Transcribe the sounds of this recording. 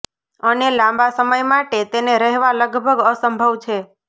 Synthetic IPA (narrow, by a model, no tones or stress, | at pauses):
ənelãmbasəməjmaʈet̪eneɾəɦeʋaləɡbʱəɡəsəmbʱəʋt͡ʃʰe